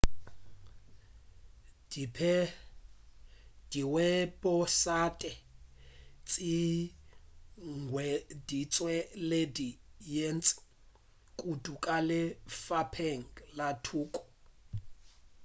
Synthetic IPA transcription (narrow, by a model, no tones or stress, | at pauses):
pʰɛ | d̥iwɛpʼɔsatʼɛ | t͡sʼi | ŋɡʱwɛdit͡sʼwɛledijent͡sʼɪ̥ | kʼutʼukʼalɪfapʰɛŋ̩latʰuːkʼɔ̥